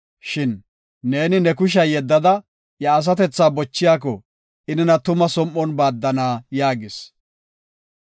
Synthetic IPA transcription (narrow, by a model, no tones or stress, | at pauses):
ʃɪnː | e̞ːnɪnɛkʊʃ̬ɐjɛd̪ːɐd̪ɐ | jɐːs̬ɐt̪ɛt͡sːaːbɔt͡ʃːɪjaːk̬ɔ | ɪnɪnɐt̪ʊmɐsɔmʔːɔnbaːd̪ːɐnaːjaːɡɪs